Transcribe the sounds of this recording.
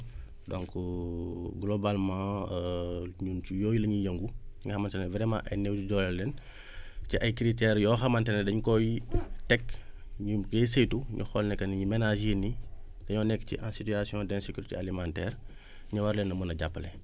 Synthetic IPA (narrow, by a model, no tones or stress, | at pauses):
dɔ̃ŋk | ɡlɔbalmã | ɲunt͡ʃujɔːjilɐɲijəŋɡuɲiŋɡxɐmantɛɛvɾɛmã̰ʔɐjnewtuɟɔlɛlːɛn | ciʔɐjkɾitɛːɾjɔːxɐmantɛnɛdɐɲkɔjitɛkːɲiɡesejtuɲʔṵxɔlnɛkːɐnɲimɛnaʒini | d̥ɐɲɔːnɛkːcḭʔãsityasiɔ̃ːdɛnsekuɾitḛalimãntɛːr | ɲɐwaɾlɛnːɐmunɐɟapːəlɛ